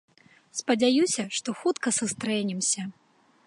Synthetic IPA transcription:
spɐd͡zʲajusʲɐʂt̪ɔxut̪kɐsɨst̪ɾɛnʲimsʲɐ

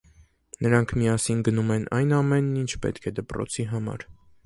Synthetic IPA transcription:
nəɾɑŋkʰmiɑsinɡənumɛnʔɑjnɑmɛnːint͡ʃʰpɛ̰t̪kʰɛd̪əpɾɔ̰t͡sʰiɦɑmɑ̰ɾ

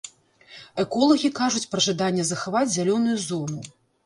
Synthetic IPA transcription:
ɛkɔlˠɐɣʲikaʐut͡sʲpɾɐʐad̪anʲːɛzɐxavad͡zʲzʲalʲɔnujuzɔnu

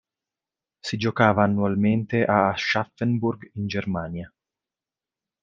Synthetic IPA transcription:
sid͡ʒokaːvaːnːualment̪eʔaʃːafːenburɡind͡ʒermaːnja

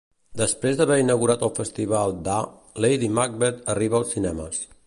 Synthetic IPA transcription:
d̪əspɾezd̪əβɛɾinəɣuɾat̪əlˠfəst̪iβalˠd̪a | lejðimaɡ̚bet̪əriβəːlˠsinɛməs

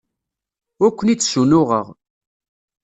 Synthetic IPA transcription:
ækʷːənit͡sːsunʊʁə̰ʁ

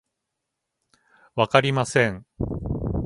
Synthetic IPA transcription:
βakaɾʲimasẽ̞ɴ

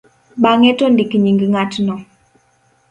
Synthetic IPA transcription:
ɓaŋɛtɔndikɲiŋɡŋatnɔ

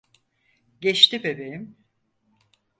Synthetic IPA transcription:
ɟɛt͡ʃt̪ibebejim

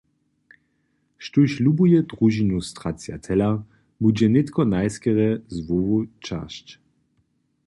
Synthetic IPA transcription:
ʃtuɕlubujɛd̪ʁuʒinust̪ʁat͡sja̰t̪ʰɛla | bud͡ʑɛnɪt̪kʰɔnajskɛʁɛzvovut͡ʃa̰ʃt͡ɕ

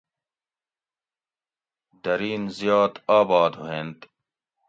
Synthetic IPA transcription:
d̪ɐɾiːnzjaːt̪aːbɑːd̪ɦuɦeːnt̪

